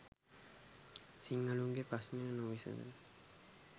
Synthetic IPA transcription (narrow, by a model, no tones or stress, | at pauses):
siŋːəluŋɡepɾasmeənuʋisə̰nə̰l